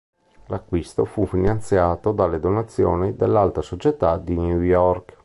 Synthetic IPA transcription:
lakːwist̪ofufinant̪sjaːt̪od̪alːed̪onat̪sːjo̰ːnid̪elːalt̪asot͡ʃet̪ad̪injujɔrk

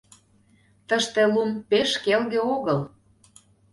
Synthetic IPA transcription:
t̪əʃt̪elumpeʃkelɣeoɣəl

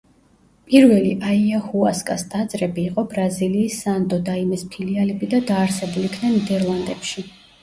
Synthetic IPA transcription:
pʼiɾvɛliʔaiahuaskʼast̪ʼad̪zʼɾɛbiːqʼɔbɾaziliːsːant̪ʼɔd̪aimɛspʰilialɛbid̪ad̪aːɾsɛbulikʰnɛnid̪ɛɾlˠand̪ɛpʃi

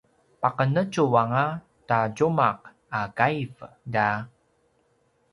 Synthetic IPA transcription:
paqənət͡ʃuwaŋa | taɟumaq̚ | akajv | da

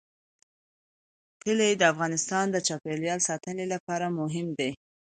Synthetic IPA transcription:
t̪əled̪əafɣɑnɪst̪ɑnd̪ət͡ʃɑpeljɑlsɑt̪ənelapɑɾamʊɦɪmd̪e

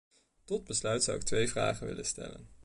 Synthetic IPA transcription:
tɔd̚bəslœɥtsʌ̰wɪk̚tʋejvra̰ːχənʋɪlənstɛ̰lən

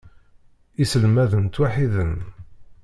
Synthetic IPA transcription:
isəlmæðənt̪waħiðən

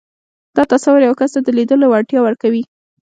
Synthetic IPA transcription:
d̪̥ɑt̪asawʊɾjawkast̪ad̪əlid̪əlowaʈjɑwəɾkawi

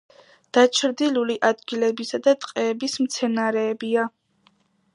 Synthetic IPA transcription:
d̪̥at͡ʃʰɾd̪iluliʔad̪ɡilɛbisad̪at̪ʼqʼɛːbismt̪sʰɛnaɾɛːbia

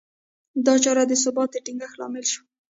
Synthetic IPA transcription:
d̪ɑt͡ʃɑɾad̪əs̬ʊbɑt̪əʈiŋɡəxlɑ̰mɪlʃu̥

